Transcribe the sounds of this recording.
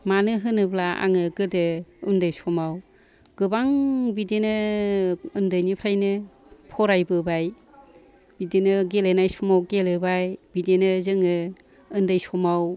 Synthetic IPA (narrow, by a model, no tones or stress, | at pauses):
manɯɦɯnɯblaa̰ŋɯɡɯdɯɯndɯjsɔmaw | ɡ̥ɯbaŋbidenɯ | ɯndɯjnipʰɾajnɯ | pʰɔɾajbɯbaj | b̥idenɯɡelenajsɔmawɡelɯbajbidenɯzɯŋɯ | ɯndajsɔmaw